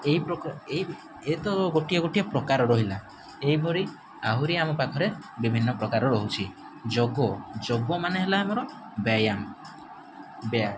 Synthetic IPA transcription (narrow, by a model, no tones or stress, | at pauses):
eipɾɔkeɦi | et̪ɔɡoʈijɔɡoʈiɔpɾɔkaɾɔɾɔɦila | eɦibʱɔɾi | aɦuɾiamɔpakʰɔɾebibʱinːɔpɾɔkaɾɔɾɔɦut͡ʃʰi | d͡ʒoɡɔd͡ʒoɡɔmaneɦelaːmɔɾɔ | bajam | bea